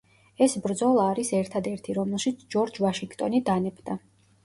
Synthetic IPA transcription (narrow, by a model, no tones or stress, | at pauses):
ɛsbɾd̪zɔlˠaːɾisɛɾt̪ʰad̪ɛɾt̪ʰiɾɔmɛlˠʃit̪sʰd͡ʒɔɾd͡ʒvaʃiŋɡt̪ʼɔnid̪anɛbd̪a